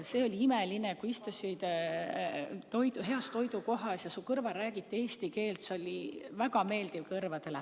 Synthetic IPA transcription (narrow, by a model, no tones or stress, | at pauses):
se̞ːo̞lʲiimelinekuist̪usʲid̪̥ | t̪o̞jd̪uɦe̞ɑst̪o̞jd̪uko̞ɦɑsjɑsukɤrvɑɾæːɡ̥it̪ːie̞ːst̪ike̞ːlt̪seo̞lʲivæɡ̥ɑme̞ːld̪̥ivkɤrvɑd̪̥e̞le